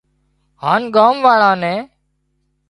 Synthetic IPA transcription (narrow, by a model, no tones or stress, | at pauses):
haːnɡaːmʋaːɭãːnɛ̃ː